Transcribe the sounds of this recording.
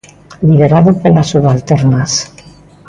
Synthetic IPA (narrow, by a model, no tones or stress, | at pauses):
liβeɾaðopelasuβalt̪eɾnas